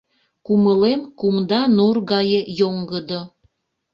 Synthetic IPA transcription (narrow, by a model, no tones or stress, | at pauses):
kuməlemkumd̪ɑnurɣɑjəjoŋɡəd̪o